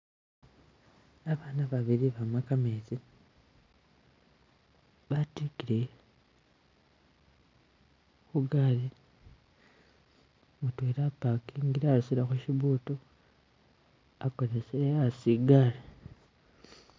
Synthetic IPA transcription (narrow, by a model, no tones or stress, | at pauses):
aβaːnaβaβiɾiβamakamezi | βatikiɾe | xuɡali | mutweːɾapakiŋɡiɾaaɾusiɾaxuʃiβuːto | akoɾeseasiɡaɾe